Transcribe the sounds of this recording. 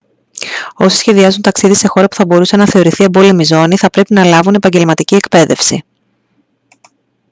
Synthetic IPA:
o̞si̥sçe̞ðiɐzunt̪ɐksiðise̞xo̞ɾɐpu̥θɐbo̞ɾuse̞nɐθe̞o̞ɾiθie̞bo̞lemizo̞niθɐpɾe̞pinɐlɐvune̞pɐɲɟe̞lmɐt̪icie̞kpe̞ðe̞fsi

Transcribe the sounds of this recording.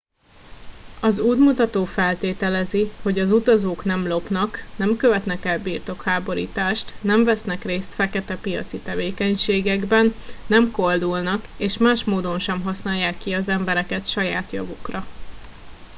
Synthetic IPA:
ɒzuːd̪mut̪ɒt̪oːfɛlt̪eːt̪ɛlɛziho̞ɟɒzut̪ɒzoːknɛmlo̞pnɒknɛmkøvɛt̪nɛkɛlbiːrt̪o̞khaːbo̞ɾḭːt̪aːʃt̪nɛɱvɛsnɛkreːst̪fɛkɛt̪ɛpijɒ̰t̪sit̪ɛveːkɛɲʃeːɡɛɡbɛnːɛmko̞ld̪ulnɒkeːʃmaːʃmoːd̪o̞nʃɛmɦɒsnaːjːaːkːiɒzɛmbɛɾɛkɛt̪ʃɒjaːt̪jɒ̰vukrɒ

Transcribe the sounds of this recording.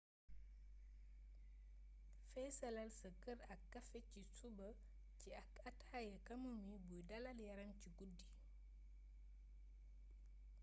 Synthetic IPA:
fɛsɐlɐlsɐkəɾɐkːɐfɛcisubɐ | ciɐkɐthajɐkɐmumibujdɐlɐljɐɾɐmciɡudːi

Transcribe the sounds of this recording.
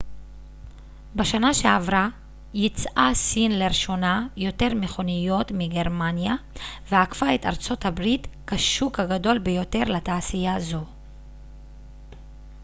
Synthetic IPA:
baʃanaʃeavʁa | jit͡sʔasinleʁʃo̞najo̞te̞ʁmeχo̞nijo̞tmiɡe̞ʁmanjaveakfaeta̰ʁt͡so̞thabʁitkaʃukhaɡado̞lbejo̞te̞ʁlataːsijaːzo̞

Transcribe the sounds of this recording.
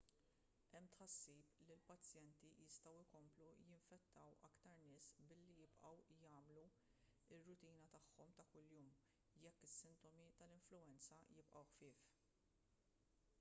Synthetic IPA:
ʔɛmːt̪ħɐsːiːplilpɐt͡sːjɛnt̪ijɪst̪ɐwɪkɔmplujɪɱfɛt̪ːɐwɐkt̪ɐɾnɪːsbɪlːijɪpʔɐwjɐːmlu | ɪrːʊt̪iːnɐt̪ɐħːɔmt̪ɐkʊljuːm | jɛkːɪsːɪnt̪ɔmit̪ɐlɪɱflʊɛnt͡sɐjɪpʔɐwħfɪːf

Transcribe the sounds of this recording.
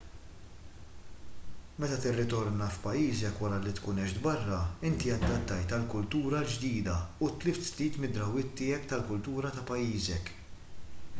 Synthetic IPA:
mɛt̪ɐt̪ɪrːɪt̪ɔɾnɐfpɐjiːzɛkwɐɾɐlit̪kuːnɛʃd̪bɐrːɐɪnt̪iɐd̪ːɐt̪ːɐjt̪ɐlkʊlt̪uːɾɐd͡ʒd̪iːd̪ɐut̪lɪft̪sliːt̪mɪd̪ɾɐwɪt̪ːɪːɛpt̪ɐlkʊlt̪uːɾɐt̪ɐpɐjːiːzɛk

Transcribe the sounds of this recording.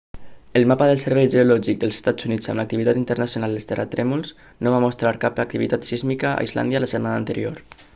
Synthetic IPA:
əlˠmapəðəlˠsəɾβɛjʒeulɔʒik̚d̪əlˠze̥st̪ad͡zunid͡za̰mlək̚t̪iβit̪at̪int̪ərnasjonalˠest̪erə̰t̪ɾɛmulˠz | noβamust̪ɾaɾkapak̚t̪iβit̪at̪sizmikəa̰izla̰nd̪jələsət̪manaːnt̪əɾḭoɾ

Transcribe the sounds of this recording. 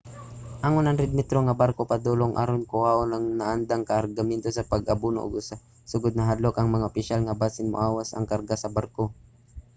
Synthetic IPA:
ʔaŋʊnaŋɾɪd̪̚mɛt̪ɾoŋɐbaɾkopɐd̪uloŋʔa̰ɾonkʊʔaːʔonɐŋnaʔand̪aŋkɐʔɐɾɡamɛnt̪osɐpɐɡɐbunoʔːɡʔʊsa | sʊɡʊd̪̚nɐɦad̪lokɐŋmɐŋaʔopɪʃalŋɐbaːsɪnmo̰ʊ̰ʔaːwasɐ̰ŋkaɾɡasɐbaɾko

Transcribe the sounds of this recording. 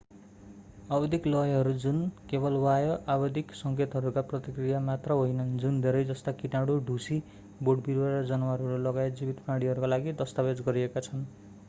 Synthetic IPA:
abʌd̪ʱiklʌjɦʌɾud͡zunkebʌlwajʌʔabʌd̪ʱiksʌŋket̪ɦʌɾukaprʌt̪ikrijamat̪rʌɦojnʌnd͡zund̪ʱeɾʌjd͡zʌst̪akinaɽuɖʱusi | boɽbiɾwaɾʌd͡zʌnʌwaɾuɾulʌɡajet̪d͡zibit̪paɽiɦʌɾukalaɡid̪ʌst̪abed͡zɡʌɾiekat͡sʰʌn

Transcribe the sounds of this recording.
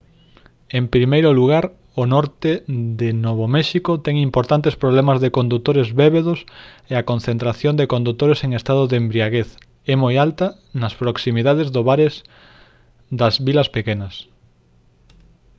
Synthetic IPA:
empɾimejɾʊluɣ̞aɾ | onɔɾt̪eðenoβomɛʃikot̪ɛŋimpoɾt̪ant̪espɾoβlɛmɐzðekond̪ut̪oɾezβeβeðʊs | eɐkonθent̪ɾaθjond̪ekond̪ut̪oɾeseŋest̪aðʊðembɾiaɣeθ | ɛmojalt̪ɐ | nɐspɾoksimiðaðezðoβaɾes | d̪ɐzβilɐspekenɐs

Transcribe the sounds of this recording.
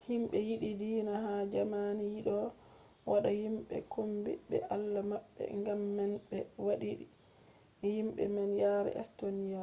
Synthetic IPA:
himɓɛjiɗidinaɦad͡ʒamanijiɗɔ | wʔaɗahimɓɛ̰kʰombḭɓɛ̰ʔalːamaɓːɛ̰ŋɡamːɛnɓɛwaɗiɗi | himɓɛ̰mɛnjaɾɛ̰ʔɛ̰stonija

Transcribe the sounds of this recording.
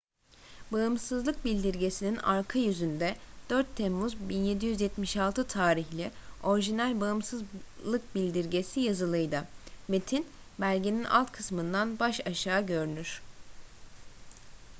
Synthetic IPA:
baɯmsɯzlˠɯk̚bilʲd̪iɾɟe̞sinina̰ɾkʰajyzynd̪ɛd̪̥øɾt̪ʰːemːuzbinje̞d̪ijyzjɛt̪miʃalˠt̪ʰɯt̪ʰaːɾiçlʲɛo̞ɾʒinælʲbaɯmsɯzlˠɯk̚bilʲd̪iɾɟe̞sijazɯlˠɯjd̪ɯme̞t̪ʰin | bælʲɟeninʔa̰lˠt̪kʰɯsmɯnd̪anbaʃaʃaːɟø̞ɾynyɾ̥

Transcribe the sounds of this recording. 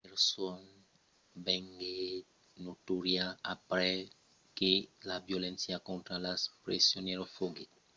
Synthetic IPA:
eɾson | beŋɡe | notuɾjaapɾɛ | kelabjolẽnsjakõnt̪ɾalaspɾesjoneɾofoɡe

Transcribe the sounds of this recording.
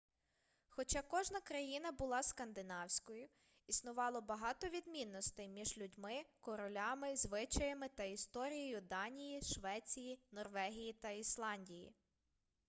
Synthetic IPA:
xɔt͡ʃɑkɔʒnɐkɾɐjinɐbʊlˠɑskɐnd̪ɪnɑwsʲkɔjʊ | isnʊʋɑlˠɔbɐɦɑt̪ɔʋʲid̪mʲinːɔst̪ɪjmʲiʒlʲʊdʲmɪkɔɾɔlʲɑmɪzʋɪt͡ʃɐjɐmɪt̪ɐist̪ɔɾʲijɔjʊd̪ɑnʲijiʃʋɛt͡sʲijinɔrʋɛɦʲijit̪ɐislˠɑnʲdʲijḭ

